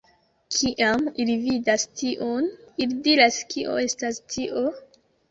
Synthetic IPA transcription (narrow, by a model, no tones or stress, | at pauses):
kʰiʔamilividastiʔonilidiɾaskiʔo̞̰e̞stastʰiʔo̞